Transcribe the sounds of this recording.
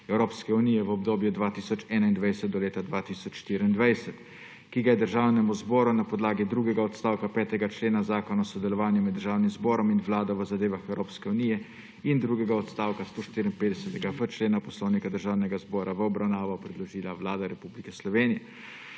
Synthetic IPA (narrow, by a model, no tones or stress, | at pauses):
ɛwɾoːpskɛuniːjɛʋəɔbd̪oːbjud̪ʋaːt̪iːsɔt͡ʃɛːnaind̪ʋajsɛt̪̚d̪ɔleːt̪ad̪ʋat̪iːsɔt͡ʃʃt̪iɾiind̪ʋajsɛt̪ | kiɡajɛd̪əɾʒaːwnɛmuzbɔːɾunapɔd̪laːɡid̪ɾuːɡɛɡaɔt̪st̪aːwkapɛːt̪ɛɡat͡ʃleːnazaːkɔnaɔsɔd̪ɛlɔʋaːnjumɛd̪ːəɾʒaːwnimzbɔːɾɔminʋlaːd̪ɔʋəzad̪eːʋaxɛwɾoːpskɛunijɛ | ind̪ɾuːɡɛɡaɔt̪st̪aːwkast̪oːʃt̪iɾinped̪ɛsɛt̪ɛɡavət͡ʃleːnapɔsloːwnikad̪əɾʒaːwnɛɡazbɔːɾʔaʋəɔbɾawnaːʋɔpɾɛd̪lɔʒiːlaʋlaːd̪aɾɛpublikɛslɔʋeːnijɛ